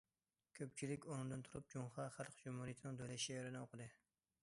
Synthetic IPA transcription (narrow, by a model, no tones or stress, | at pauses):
kʲʰøp̚t͡ʃʰilɪkʲonɨŋd̪ɨnt̪ʰuɾup̚d͡ʒuŋχɑχæɾqd͡ʒumhuɾijet̪ʰnɨŋd̪ølɛʃiɾɪnɪoqʰəd̪ɨ